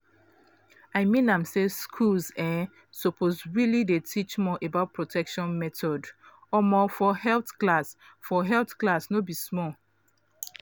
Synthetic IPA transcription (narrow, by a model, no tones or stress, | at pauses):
aɪmĩnãmseskʰulzɛ | sɔpʰozɹilidetʰit͡ʃmɔʔebaʊt̚pʰɹotʰɛkʃɔ̃nmɛtʰɔd | ɔmɔfɔhɛltklas | fɔɦɛltklasnobismɔ